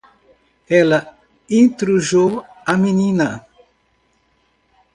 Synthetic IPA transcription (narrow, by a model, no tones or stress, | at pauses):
ɛlɐ | ĩnt̪ɾuʒow | ɐminĩnɐ